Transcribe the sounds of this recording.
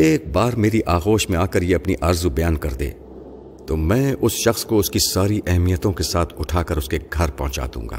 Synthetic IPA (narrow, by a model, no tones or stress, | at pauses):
eːk̚baːɾmeːɾiʔaːɣoːʃmẽaːkəɾjeɐpniʔɐɾzubɐjaːnkɐɾd̪ḛ̃ː | t̪oːmɛ̃ːʊsʃɐxskoʊskisaːɾiʔɛɦmijət̪õkesaːt̪ʰʊʈʰaːkɐɾʊskeɡʱɐɾpɐɦʊ̃t͡ʃa̰ːd̪ṵ̃ːŋɡa̰ː